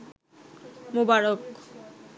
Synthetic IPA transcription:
mubaɾok

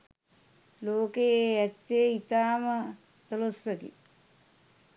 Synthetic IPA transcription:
loːkeeɛt̪ːeit̪aːmɐ | t̪ɐlosɾɐt̪ḭ

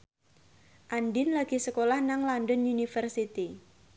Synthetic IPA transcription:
ʔanɖɪnlaɡ̥i̤səkolahnaŋlanɖɔnunifərsit̪i

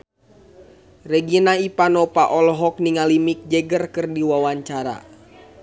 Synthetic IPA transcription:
rɛɡinaipanɔpaʔɔlɔɦɔk̚niŋalimik̚d͡ʒɛɡərkɨrdiwawaɲt͡ʃaɾa̰

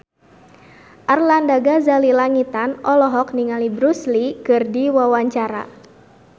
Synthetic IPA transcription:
ʔarlandaɡazalilaŋit̪anʔɔlɔɦɔkniŋalibɾuslikɨrdiwawaɲt͡ʃaɾa̰

